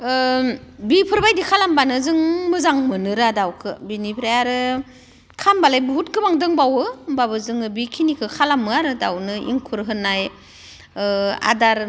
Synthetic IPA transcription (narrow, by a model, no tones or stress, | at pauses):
bipʰɯɾbajdikʰalambanɯzɯŋmɯzaŋmɯnɯɾadawkʰɯbinipʰɾajaɾɯ | kʰambalajbɯɦut̚ɡɯbaŋdɯŋbawɯbaβɯzɯŋɯbikʰinikʰɯkʰalamːɯaɾɯdawnɯḭŋkʰuɾɦɯnaj | a̰daɾ